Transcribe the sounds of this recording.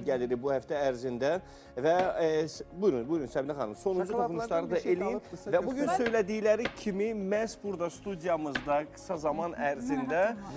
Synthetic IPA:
ɟæliɾibuhæft̪ʰæːɾzind̪æ | væ | bununbujynsæbinæχɑnɯmso̞nund͡ʒut̪ʰχnuʃlˠɑɾɯd̪ɑʔelijjinvæbuɟynsø̞jlæd̪ijlæɾicʰimimæzbuɾd̪ɑst̪ud̪ijɑmɯzd̪ɑɡɯ̥sɑzɑmɑnæɾzind̪æ

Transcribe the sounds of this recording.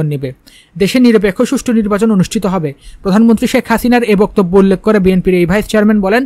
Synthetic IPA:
onːebe | d̪eʃeɾniɾop̬ekʰːoʃuʃʈʰoniɾbat͡ɕononuʃʈʰit̪oɦɔbepɾod̪ʱanmont̪ɾiʃekʰhasinaɾebɔk̚t̪obːoulːekʰːoɾebienpiɾejbʱajst͡ɕeaɾmenbɔlen

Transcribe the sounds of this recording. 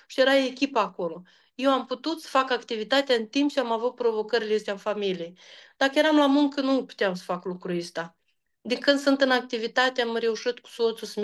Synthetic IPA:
ʃije̞ɾaekʲipaːko̞lo̞ | jewamput̪ut̪sə̥fakakt̪ivit̪at̪eaɨnt̪impt͡ʃiamavut̪̚pɾo̞vo̞kəɾileest̪eanfamilijejd̪̥akəje̞ɾamlamuŋkənupu̥t̪eamsə̥faklukɾuest̪a | d̪iŋkɨnd̪sɨnt̪ɨnak̚t̪ivit̪at̪eamɾe̞uʃit̪ku̥sot̪susəm

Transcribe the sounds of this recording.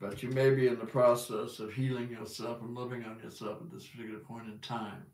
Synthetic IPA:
b̥ʌt͡ʃɨmeɪbiɨ̃nðəpʰɹ̥ɑsɛsʌv̥ɦilˠɪ̃ŋjə˞sɛlˠfə̃nlɪvɪ̃ŋə̃njə̰˞sɛlˠfət̪̚ðɪspʰə̥˞tɪkjl̩ˠə˞pʰɔ̃ɪ̃ñɨ̃ntʰãɪ̃m

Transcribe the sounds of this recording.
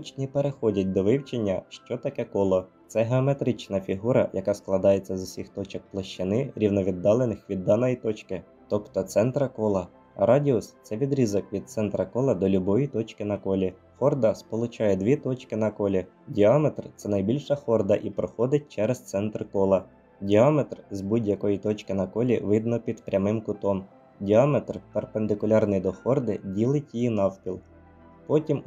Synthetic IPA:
ut͡ʃnʲipeɾexɔdʲɐt̚ʲd̪ɔʋɪwt͡ʃenʲːɐʃt͡ʃɔt̪ɐkɛkɔlˠɔt̪sɛɦeɔme̞t̪ɾɪt͡ʃnɐfʲiɦuɾɐ̰jɐkɑsklˠɐd̪ɑjet͡sʲːɐzʊsʲixt̪ɔt͡ʃɐk̚plˠɐʃt͡ʃɪnɪɾʲiwnɔʋʲid̪ːɑlˠenɪxʋʲid̪ːɑnɔjit̪ɔt͡ʃkɪ | t̪ɔpt̪ɔt̪sɛnt̪ɾɐkɔlˠɐ | ɾɑdʲiʊst̪sɛʋʲid̪ɾʲizɔkʋʲid̪̚t̪sɛnt̪ɾɐkɔlˠɐd̪ɔlʲʊbɔjit̪ɔt͡ʃkɪnɐkɔlʲi | xɔrd̪ɐspɔlˠʊt͡ʃɑjɛd̪ʋʲit̪ɔt͡ʃkɪnɐkɔlʲi | dʲiɑmet̪rt̪sɛnɐjbʲilʲʃɐxɔrd̪ɐʔipɾɔxɔd̪ɪt̚ʲt͡ʃɛɾɛst̪sɛnt̪rkɔlˠɐ | dʲiɑmet̪rzbudʲjɐkɔjit̪ɔt͡ʃkɪnɐkɔlʲiʋɪd̪nɔpʲid̪pɾʲɐmɪmkʊt̪ɔm | dʲiɑmet̪rperpend̪ɪkʊlʲɑrnɪjd̪ɔxɔrd̪ɪdʲilˠɪtʲjijinɑwpʲilˠ | pɔtʲim

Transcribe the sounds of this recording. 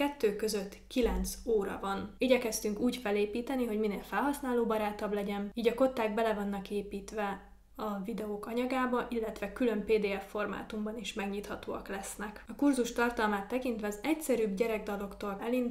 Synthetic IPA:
kɛt̪ːøːkø̞zø̞t̪ːkilɛnt̪soːɾɒ̰vɒniːɟɛkɛst̪yŋkuːcfɛleːpiːt̪ɛniɦo̞ɟmineːlfɛlɦɒsnaːloːbɒɾaːt̪ɒblɛɟɛniːɟɒko̞t̪ːaːɡ̚bɛlɛvɒnːɒkeːpiːt̪ʋɛ | ɒvid̪ɛoːkɒɲɒɡaːbɒʔilːɛt̪ʋɛkylø̞mpeːd̪eːɛfːo̞rma̰ːt̪umbɒniʃmɛɡɲiːt̪hɒt̪oːɒ̰klɛsnɛkɒkurzuʃt̪ɒrt̪ɒlmaːt̪ːɛkint̪ʋɛɒzɛcsɛɾyːbɟɛɾɛɡ̚d̪ɒlo̞kt̪olɛlind̪

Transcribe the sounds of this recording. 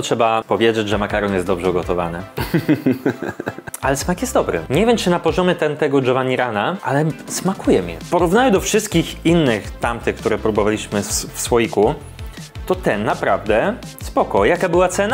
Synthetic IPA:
tʂɛbapɔvʲjed͡ʑed͡ʑʐɛmakaɾɔnjɛst̪ɔbʐɛuɡɔt̪ɔva̰nɘ | alɛsmakjɛst̪d̪ɔbɾɘ̰ɲevʲjɛmt͡ʂɘnapɔʐɔmʲjɛt̪ɛnt̪ɛɡɔʐɛvaɲiɾanaʔalɛsmakujɛmʲɛ̰pɔɾuvnajɛd̪ɔfʂɘst̪̚kʲixinːɘxt̪amt̪ɘkt̪uɾɛpɾubɔvalʲiɕmɘfsfɔjiku | t̪ɔt̪ɛnːapɾavd̪ɛspɔkɔjakabɘwat̪sɛna

